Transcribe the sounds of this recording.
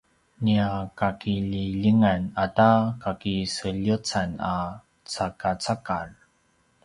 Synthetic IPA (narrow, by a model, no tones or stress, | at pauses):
niakakiʎiʎiŋanatakakisəʎut͡sana | t͡sakat͡sakar